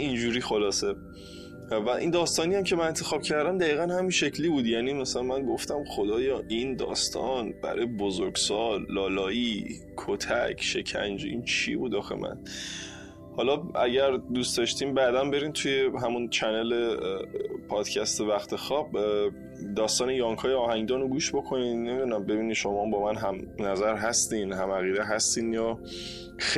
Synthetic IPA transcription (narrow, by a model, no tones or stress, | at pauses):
ind͡ʒuːɾiːxo̞lɒːse̞ | væʔḭnd̪ɒːst̪ɒːnijæmcʰe̞mænent̪ʰe̞xɒːb̥cʰæɾd̪æmd̪æiːɣænhæminʃe̞cʰliːbuːd̪jæːniːmæsælænmænɡo̞ft̪æmxo̞d̪ɒːjɒːʔind̪ɒ̰ːst̪ʰɒ̰ːnb̥æ̰ɾɒ̰jebozoɾɡsɒːlːɒːlɒːi | kʰot̪ʰæ̰cʰʃe̞cʰæ̰nd͡ʒḭnt͡ʃʰḭbuːd̪ɒːxḛmʔæ̰n | hɒːlɒæɟæɾd̪uːst̪ɒʃt̪iːmbæd̪ænbe̞ɾiːnt̪ʰuje̞ɦæmunt͡ʃʰænele | pʰɒːd̪̥cʰæst̪ʰevæxt̪ʰe̞xɒːb̥ | d̪ɒːst̪ɒːnejɒːŋkʰɒːjeɒːhæŋd̪ɒːnoɡuːʃbo̞kʰo̞niːnemid̪unæmbe̞biːniʃomɒːmbɒːmænɦæmnæzæɾɦæst̪iːnɦæmæɣiːd̪eɦæst̪iːnjɒː